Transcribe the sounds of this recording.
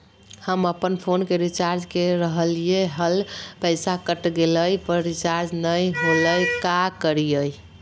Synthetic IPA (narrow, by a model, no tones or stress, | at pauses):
həməpənpʰonkeɾit͡ʃaɾd͡ʒkeɾəɦəlijeɦəlpəɪsakəʈɡeləjpəɾɾit͡ʃaɾd͡ʒnəjɦoləjkakəɾijəj